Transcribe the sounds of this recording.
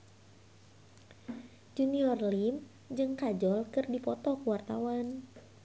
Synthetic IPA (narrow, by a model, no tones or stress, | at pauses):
d͡ʒuniɔrlim | d͡ʒɨŋkad͡ʒɔlkɨrdipɔt̪ɔkuwart̪a̰wan